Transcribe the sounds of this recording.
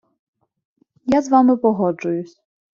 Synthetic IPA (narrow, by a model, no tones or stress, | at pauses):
jazʋɑmɪpɔɦɔd͡ʒʊjʊsʲ